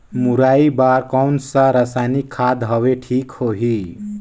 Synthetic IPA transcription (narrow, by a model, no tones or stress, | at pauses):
muɾaibaɾkɔnsaɾəsajnikʰːad̪ɦʌʋeʈʰiːkhoɦi